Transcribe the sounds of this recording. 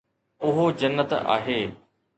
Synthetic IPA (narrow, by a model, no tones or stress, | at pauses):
ʊɦod͡ʑɐnːət̪a̰ːɦeː